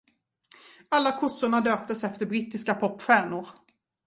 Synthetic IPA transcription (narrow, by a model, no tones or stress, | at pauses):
alːakʰʊsːʊɳad̪øːp̚t̪əsɛft̪əɾbɾiːt̪ːɪskapʰɔpːɧæːɳʊɾ